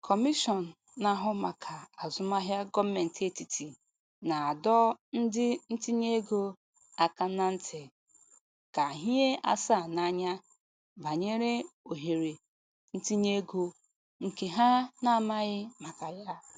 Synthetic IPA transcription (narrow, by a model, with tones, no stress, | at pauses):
kʰɔ˨mi˦ʃɔ˨n̩˨ | na˨ɦʊ˦ma˨kʰa˨a˨zʊ˨ma˦ɦja˦ɡɔ˦me˨n̩˨te˦ti˨ti˨ | na˨a˨dɔ˦n̩˦dɪ˦n̩˦ti˦ɲe˦ɡo˦ | a˨ka˦na˦n̩˦tʰe˨ | ka˨ɦi˦e˦a̰˦sa˦˨na˦ɲa˦ | ba˨ɲe˦ɾe˦o˨ɦe˨ɾe˨ | n̩˦ti˦ɲe˦ɡo˦ | ŋ̩˨ke˨ɦa˦na˦ma˦ɣɪ˦ma˨ka˨ja˦